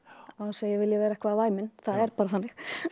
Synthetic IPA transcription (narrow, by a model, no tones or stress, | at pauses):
ɔhanseːjɛɣvɪljɛvɛːɾaɛhkvaðvaːjmɪnθaðɛɾpaːɾaθanːɪx